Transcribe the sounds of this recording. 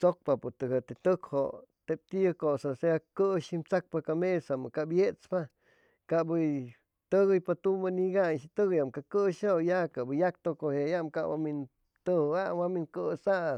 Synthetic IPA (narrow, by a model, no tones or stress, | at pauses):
t͡sok̚papot̪ɨɡat̪et̪ɨkhot̪ep̚t̪ikosaseakɨʃimt͡sak̚pakamesamɨkabjet͡spa | kabɨ | t̪ɨɣɨjpat̪umaniɡanʃit̪ɨɣjamkakɨʃojakaʔbɨjak̚t̪okohejamkawa̰min | t̪ɨhawaminkɨsaʔ